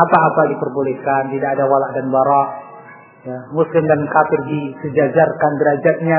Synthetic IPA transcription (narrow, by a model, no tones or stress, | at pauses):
apaːpadipərbolɛhkant̪idaʔːdawalaʔdanbaɾaʔ | jamuslɪmdankafɪrdisəd͡ʒad͡ʒarkanɡəɾad͡ʒat̪̚ɲa